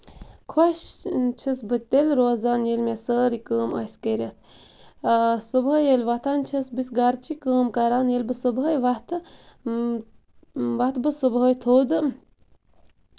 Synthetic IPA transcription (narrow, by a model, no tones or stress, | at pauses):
kʰwɐʃt͡ʃʰɐsbɨt̪elɾoːzaːnjelmʲasəːɾikəːmɐ̰skeɾʲɐt̪ʰ | subəjelʲʋɐt̪ʰaːnt͡ʃʰɐsbisɡaɾt͡ʃʰikəːmkaɾaːnjelʲbɨsubɦəjʋɐt̪ʰɨ | ʋat̪bɨsubɦəjt̪ʰoːd̪ɨ